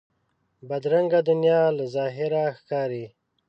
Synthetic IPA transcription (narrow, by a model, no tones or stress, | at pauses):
bad̪ɾaŋɡad̪ʊnjɑːlazɑːɦɪɾaxkɑːɾi